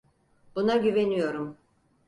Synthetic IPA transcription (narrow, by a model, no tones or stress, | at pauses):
b̥unaɟyve̞nijo̞ɾum